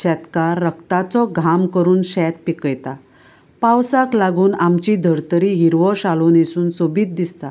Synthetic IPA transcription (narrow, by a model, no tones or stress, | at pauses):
ɕɛt̪kaɾːəkt̪at͡sɔɡʱamkəɾuːnɕɛt̪̚pikəjt̪a | pawsaklaɡuːnamt͡ɕid̪ʱəɾt̪əɾiɦiɾʋɔɕaloːnesuːnsobiːt̪̚d̪ist̪a